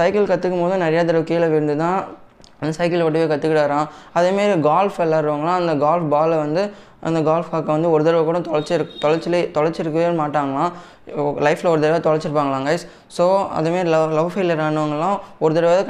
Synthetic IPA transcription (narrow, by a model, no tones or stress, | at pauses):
sɐɪkɐlkɐt̪ːɯkːɯmpoːðʊ̃nɐɾɐjaːt̪̬ɐɾɐʋkiːlɐʋɪɾɯnd̪ɯt̪ãː | ɐnd̪ɐsɐɪkɐlʋɔʈːɯʋeːkɐt̪ːɯkːɪʈːaːɾãː | ɐðemaːɾiɡaːlfɛlːaːɪɾɯʋaːŋɡɐɭãːɐnd̪ɐɡaːlfbaːlʋɐnd̪ɯ | ʔɐ̰nd̪ɐɡaːlfkaːkɐʋɐnd̪ɯɔɾɯt̪ɐɾɐʋɐkuːɽɐ̃t̪ɔɻɐɾt͡ʃːɪɾɯkːt̪ɔɻɐɾt͡ʃːɪlet̪ɔɻɐɾt͡ʃːɪɾɯkːɯʋenmaːʈːaːŋɡɐɭãː | lɐɪflɐɔɾɯt̪ɐɾɐʋɐt̪ɔɻɐɾt͡ʃːɪɾɯpːaːŋɡɐɭãːŋɡɐɪs | soːɐ̰ðemaːɾilɐlɐʋfeːlɪjɐɾaːɳːɯʋɐŋɡɐlːãːɔɾɯt̪ɐɾɐʋːðɯ